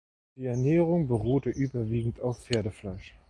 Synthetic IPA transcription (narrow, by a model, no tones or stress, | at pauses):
d̥iːɛɐneːʁ̞ʊŋbəʁuːtəʔyːbɐviːɡŋ̩taʊffeːɐdəflaɪʃ